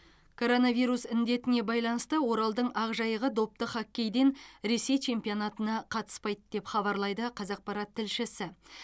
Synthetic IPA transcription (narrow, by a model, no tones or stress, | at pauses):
kʰo̞ɾo̞navijɾusɪnd̪e̞t̪ɪne̞bɑjlˠɑnəst̪əwo̞ɾɑlˠd̪əɴɑʁʒɑjəʁəd̪o̞p̚t̪əχɑkʲːe̞jd̪e̞nɾe̞se̞jt͡ʃʰe̞mpijo̞nɑt̪ənɑqʰɑt̪ə̥spɑjd̪d̪̥e̞pχɑβɑɾlˠɑjd̪əqʰɑzɑq̚pɑɾɑt̪ʰːɪlʃɪsɪ